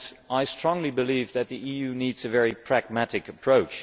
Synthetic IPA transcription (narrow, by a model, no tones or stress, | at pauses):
aɪstɹ̥ɔ̃ŋlibɨlivðɨt̪̚ðiʔijʉnidzɨvɛɹipʰɹ̥æɡ̚mæɾɨkɨpʰɹ̥oʊt͡ʃ